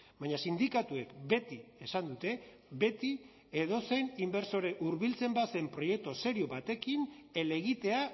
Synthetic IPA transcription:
baɲasind̪ikat̪ue̞kbe̞t̪iesand̪ut̪e̞ | be̞t̪i | eðo̞se̞nimbe̞ɾso̞ɾe̞ʔuɾβilt͡se̞mbase̞mpɾo̞je̞k̚t̪ose̞ɾio̞βat̪e̞kine̞le̞ɣ̞it̪e̞a

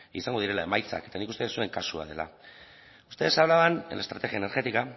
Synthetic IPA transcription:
ḭsaŋɡo̞ðiɾe̞lae̞majt͡sa̰ke̞t̪anikust̪e̞sue̞ŋkasua̰ð̞e̞̰la̰ | u̥st̪e̞ðesaβlaβanḛlaest̪ɾat̪e̞ɣiaeneɾɣe̞t̪ika

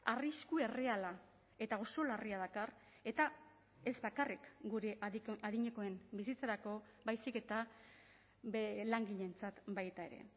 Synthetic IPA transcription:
ariskue̞re̞ala | e̞t̪ao̞so̞lariað̞akar | e̞t̪a | e̞zbakarikɡuɾe̞ʔaðiɲe̞ko̞e̞mbisit͡saɾako̞bajsike̞t̪a | laŋɡiʎe̞nt͡sat̪bajt̪ae̞̰ɾe̞̰

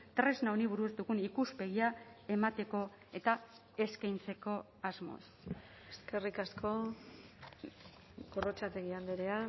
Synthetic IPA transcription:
t̪ɾe̞znauniβuɾuzd̪uɣunikuspe̞ɣ̞iae̞mat̪e̞ko̞ | e̞t̪a | e̞skajnt͡se̞ko̞ | azmo̞̰s | eske̞rikasko̞ | ɡorot͡ʃat̪eɣiand̪eɾea

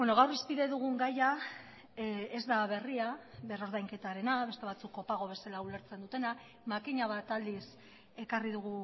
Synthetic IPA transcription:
be̞no̞ɣawrispiðe̞ðuɣ̞uŋɡaja | e̞zd̪aβ̞e̞riaβero̞ɾðajŋke̞t̪aɾe̞naβe̞st̪e̞β̞at͡sukːo̞paɣ̞o̞β̞e̞salaule̞ɾt͡se̞nd̪ut̪e̞na | makiɲaβ̞at̪ald̪is | e̞kariðuɣ̞u

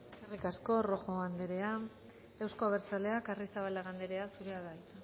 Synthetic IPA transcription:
eskerikasko̞ro̞xo̞and̪eɾe̞a | ewsko̞aβ̞e̞ɾt͡sale̞akarisaβalaɣand̪eɾe̞asuɾeaðait̪a

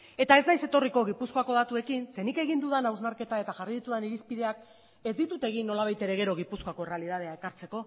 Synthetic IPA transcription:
e̞t̪ae̞znajse̞t̪o̞riko̞ɣ̞ipuskoako̞ð̞at̪ue̞kinse̞nike̞ɣind̪uðanawznaɾke̞t̪ae̞t̪aʝariðit̪uðaniɾispiðe̞ak | e̞zd̪it̪ut̪e̞ɣ̞inːo̞laβ̞ajt̪e̞ɾe̞ɣ̞e̞ɾo̞ɣ̞ipusko̞ako̞ere̞aliðað̞eae̞kaɾt͡se̞ko̞

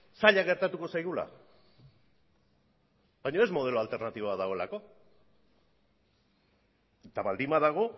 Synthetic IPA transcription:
saʎaɣe̞ɾt̪at̪uko̞sajɣula̰ | bajɲo̞e̞zmo̞ð̞e̞loalt̪e̞ɾnat̪iβoaðaɣo̞elako̞ | et̪aβald̪imbaðaɣ̞o̞

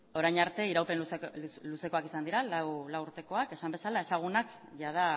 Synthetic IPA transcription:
o̞ɾajɲaɾt̪e̞iɾawpenusluse̞ko̞akisand̪iɾalawlawuɾt̪e̞ko̞ake̞sambe̞salae̞saɣ̞unak | ʝað̞a

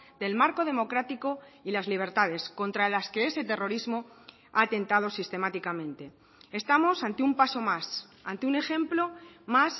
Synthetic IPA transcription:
d̪e̞lmaɾko̞ð̞e̞mo̞kɾat̪iko̞ilazliβ̞e̞ɾt̪aðe̞sko̞nt̪ɾalaske̞e̞se̞t̪e̞ro̞ɾizmo | aːt̪e̞nt̪að̞o̞sist̪e̞mat̪ikamẽ̞nt̪e̞ | est̪amo̞sant̪eumpaso̞mas | a̰nt̪eune̞xẽ̞mplo̞mas

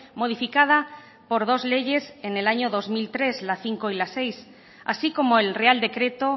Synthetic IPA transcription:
moð̞ifikað̞a | poɾð̞ozleʝesenelaɲoðozmilt̪ɾezlaθiŋkoilasejs | a̰sikomoelreald̪ekɾet̪o

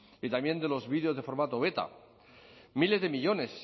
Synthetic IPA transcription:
it̪amje̞nd̪e̞lo̞zβiðeo̞zðe̞fo̞ɾmat̪oβe̞t̪a̰ | mile̞zðe̞miʎo̞ne̞s

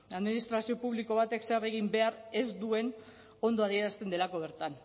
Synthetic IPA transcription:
aðminist̪ɾasio̞puβliko̞β̞at̪e̞ksere̞ɣimbe̞aɾe̞zd̪ue̞n | o̞nd̪o̞aðie̞ɾast̪e̞nd̪e̞lako̞β̞e̞ɾt̪an

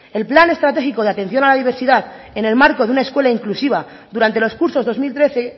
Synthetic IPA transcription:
e̞lplane̞st̪ɾat̪e̞xiko̞ðeat̪e̞n̟θjo̞nalaðiβ̞e̞ɾsiðaθ | e̞ne̞lmaɾko̞ðeunae̞skwe̞laiŋklusiβ̞a | ðuɾant̪e̞lo̞skuɾso̞zðo̞zmilt̪ɾe̞θe̞

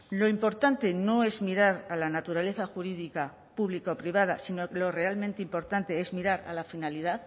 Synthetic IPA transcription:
lo̞impo̞ɾt̪ant̪e̞no̞e̞zmiɾaɾalanat̪uɾale̞θaxuɾiðika | puβlikaopɾiβ̞að̞a̰sinolo̞re̞almẽnt̪eimpo̞ɾt̪ant̪e̞ezmiɾaɾa̰lafinalið̞að

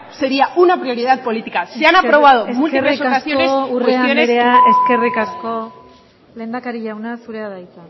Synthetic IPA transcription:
seɾiaʔunapɾio̞ɾið̞at̪̚po̞lit̪ikasianapɾo̞β̞aðomultk̪iresokasio̞nesuresaioneɾeaeske̞rikasko̞ | le̞ːnd̪akaɾiʎawnasuɾe̞aðajt͡s̪a

